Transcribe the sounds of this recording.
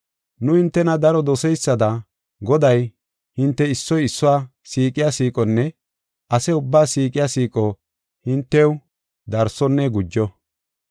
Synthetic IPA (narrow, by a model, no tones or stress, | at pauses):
nʊhɪnt̪ːɛnɐd̪ɐɾɔd̪ɔsɛjsːɐd̪ɐ | ɡɔd̪ɐj | hɪnt̪ːɛɪsːɔjɪsːɔwaː | siːkʼɪjasiːkʼɔnːɛ | ɐsɛʊbːaːsiːkʼɪjasiːkʼɔ | hɪnt̪ːɛw | d̪ɐɾsɔnːɛɡʊd͡ʒːɔ